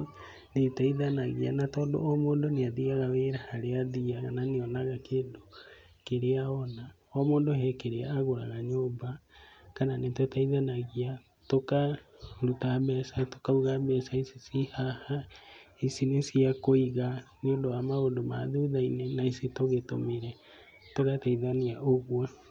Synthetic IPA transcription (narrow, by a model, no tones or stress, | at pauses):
netaiðanaɣianatɔːndo̰ɔmoːndoneaðiɣaɣaweɾahaɾeaðiaɣananeɔnaɣakeːndo | keɾeaɔna | ɔmoːndohɛkeɾeaaɣoɾaɣaɲoːmbakananetwɛtaiðanaɣia | tokaɾutaβɛsato̥kauɣabɛsaisisihaha | isinesiakoiɣaneondowamaondomaðuðainenaisitoɣetomeɾɛ | tokatɛiðaniaʔoɣwɛ